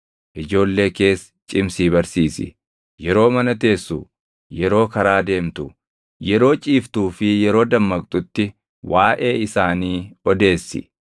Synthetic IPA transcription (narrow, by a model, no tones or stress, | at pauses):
ʔɪd͡ʒo̞ːlːe̞ːke̞ːs | t͡ʃʼɪmsiːβɐɾsiːsɪ̰ | jɛɾo̞ːmɐnɐt̪e̞ːsːu | jɛɾo̞ːkɐɾaːd̪e̞ːmt̪ʊ | jɛɾo̞ːt͡ʃʼiːft̪uːfɪjɛɾo̞ːd̪ɐmːɐkʼt̪ʼʊt̪ːɪ | waːʔeːɪsaːniːɔd̪e̞ːsːɪ̰